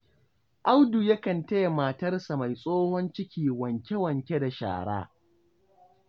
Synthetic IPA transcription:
ʔa˦wdu˨jɐ˦kɐ˨nte˦jmaː˨tɐ˦rsa˨ma˨jsʼoː˦hɔ˦nt͡ʃɪ˦kʲiː˨wɐ˨ŋkʲe˦wɐ˨ŋkʲe˦da˨ʃa̰ː˨ɽa̰ː˦

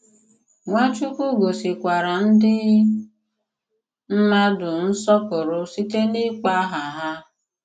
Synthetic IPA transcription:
ŋʷa˦t͡ʃu˦ku˦ɡo˨si˨kʷa˨ɾa˨n̩˦dɪ˦ | m̩˦ma˦dʊ˨n̩˦sɔ˦pʊ˨ɾʊ˦si˦te˦nɪ˦k͡pa˦ɦa˨ɦa˦

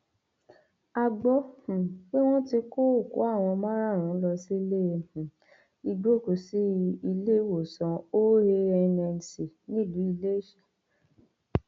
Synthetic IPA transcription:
a˧ɡ͡bɔ˧˦hũ˨fe˦w̃ɔ̃˦ti˧ko˦o˦˨ko̰˨˦a˦˨w̃ɔ̃˧mã˦ɾa˦˨ɾ̃ũ˨˦lɔ˧si˦lẽ˦˨ | i˧ɡ͡bo˦˨ko˨si˦i˧le˦˨wo˨sɔ̃˨˧o˦he˧ɛ˧nɛ˧n˨si˨nĩ˦˨lũ˨˦i˧le˦˨ʃie˨

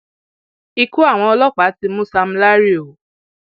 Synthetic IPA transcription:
i˧ku˦a˦˨w̃ɔ̃˧ɔ˧lɔ˦k͡pa˨˦ti˧mũ˦sa˧m̩˦la˦ɾi˦o˨

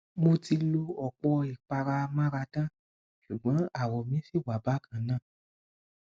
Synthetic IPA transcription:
mo˧ti˧lo˧ɔ˨k͡pɔ˧i˨k͡pa˧ɾa˧mã˦ɾa˧dã˦˨ | ʃu˨ɡ͡bɔ̃˨˦a˨wɔ˨mĩ˦fi˦˨ɡ͡ba˨ba˨˦kʰã˦˨nã˦˨

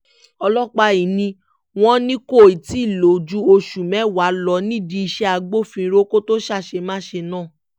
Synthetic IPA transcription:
ɔ˧lɔ˦k͡pa˧i˨nĩ˧ | w̃ɔ̃˦nĩ˦ko˦˨i˨ti˦i˦˨lo˨d͡ʒu˧o˧ʃu˨mɛ̃˨˦˨wa˨˦lɔ˧˦nĩ˦di˧i˧ʃɛ˧a˧ɡ͡bo˦fĩ˧˦ɾo˦ko˦to˦ʃa˦˨ʃe˧mãː˦ʃe˧nã˦˨

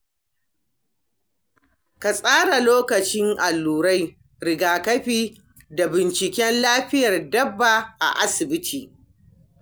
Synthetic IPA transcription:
ka˨sʼaː˦ɽa˨loː˦kɐ˨t͡ʃɪ˦ŋʔa˨lːuː˨ɾa˦j | ɽɪ˨ɡaː˨kɐ˦ɸiː˦ | da˨bɪ˨nt͡ʃɪ˨kʲɛ˦nlaː˦ɸɪ˦jɐ˨rdɐ˦bːa˨ʔa̰˨ʔa˦sɪ˨bɪ˦tʰiː˨

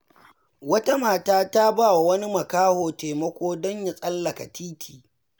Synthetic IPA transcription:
wɐ˦ta˦maː˨taː˦ta˦baː˦˨wa˨wɐ˦ni˦mɐ˨kaː˦hoː˨teː˨mɐ˦kʷoː˦dɔ˦ɲja˨sʼɐ˦lːɐ˨ka˨tʰiː˦tʰiː˨

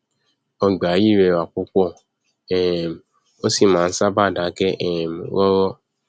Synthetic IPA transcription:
ɔ˨ɡ͡ba˨˦ji˦˨ɾɛ˧˨wa˨k͡pu˨˦k͡pɔ˦˨ | ɛ˦˨m˨ | o˦si˦˨mãː˨˦˧n̩˦sa˦ba˦˨dã˨˦kɛ˦ʔɛ˦˨m˨wɔ˦ɾɔ˦

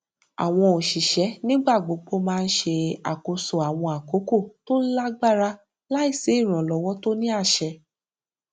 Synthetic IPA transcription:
a̰˨w̃ɔ̃˧o˨ʃi˨ʃɛ˨˦nĩ˦ɡ͡ba˦˨ɡ͡bo˨˦ɡ͡bo˦mãː˧n̩˦ʃe˧a̰˨ko˧so˨a˨w̃ɔ̃˧a˨ko˨˦ko˦˨to˦la˦ɡ͡ba˦ɾa˦ | la˦i˦˨se˨˦i˦˨ɾ̃ɔ̃˨lɔ˨˦wɔ˦to˦nĩ˦a˦˨ʃɛ˧

